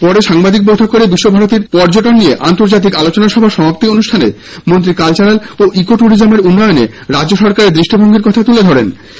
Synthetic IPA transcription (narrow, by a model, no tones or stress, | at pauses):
pɔɾeʃaŋbad̪ik̚bojt̪ʰokːoɾebiʃːobʱaɾot̪iɾpɔɾd͡ʑoʈonːijeʔant̪oɾd͡ʑat̪̬ikalot͡ɕonaʃɔbʱaʃɔmapot̪ionuʃʈʰanḛ | mont̪ɾikalt͡ɕaɾaloʔikoʈuɽid͡ʑameɾunːɔjonḛ | ɾadd͡ʑʑoʃɔɾkaɾed̪ɾiʃʈʰibʱoŋɡʱeɾkɔt̪ʰat̪uled̪ʱɔɾen